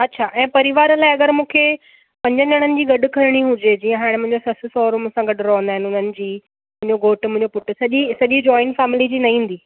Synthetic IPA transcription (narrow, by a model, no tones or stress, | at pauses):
ɐtːɕʰaːʔɛ̃ːpɐɾiʋaːɾlaːɪɐɡəɾmũːkʰe | pɐ̃ɲd͡ʑə̃d͡ʑɐɽ̃ənɪ̆d͡ʑiːɡɐɖʱʊkʰɐɾɪɽ̃iɦʊd͡ʑed͡ʑiːə̃ɦaːɽ̃̆mʊ̃ɦɪ̃ɲd͡ʑosɐsɪsɔːɾmʊ̃ːsãɡɐɖʊɾɔɦənd̪aːɦɪnɪʊn̤ənɪ̆d͡ʑiː | mʊ̃ɦɪ̃ɲd͡ʑoɡoːʈmʊ̃ɦɪ̃ɲd͡ʑopʊʈ̆sɐʄisɐʄid͡ʑɔːɪnfɛːmɪlid͡ʑiːnɐĩːn̆d̪iː